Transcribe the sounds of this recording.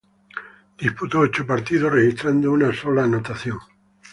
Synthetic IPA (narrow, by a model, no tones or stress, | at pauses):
d̪̥isput̪oot͡ʃopaɾt̪iðorexist̪ɾand̪ounasolanot̪aθjoŋ